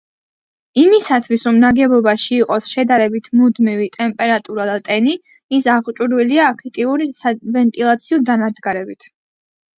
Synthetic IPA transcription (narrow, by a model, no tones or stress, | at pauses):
imisat̪ʰwisɾɔmnaɡɛbɔbaʃiːqʼɔsʃɛd̪aɾɛbit̪ʰmud̪mivit̪ʼɛmpʼɛɾat̪ʼuɾad̪at̪ʼɛni | isaʁt͡ʃʼuɾwiliaːkʰit̪ʼiuɾisavɛnt̪ʼilˠat̪sʰiɔd̪anad̪ɡaɾɛbit̪ʰ